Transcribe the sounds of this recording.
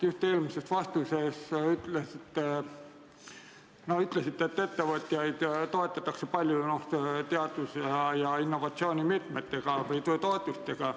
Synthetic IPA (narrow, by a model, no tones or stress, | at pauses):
just̪ːe̞ːlmise̞st̪vɑst̪use̞syt̪ːˑlesit̪ːe | noyt̪ˑle̞sit̪ːˑe̞t̪ːe̞t̪ːe̞vɤt̪jɑjd̪̥t̪ːo̞e̞t̪ːˑɑt̪ːˑɑkse̞pɑlʲjunot̪e̞ɑd̪usejɑinːovɑt̪sio̞ːnʲimit̪met̪ːe̞ɡ̥ɑvjt̪t̪o̞et̪ˑust̪e̞ɡ̥ɑ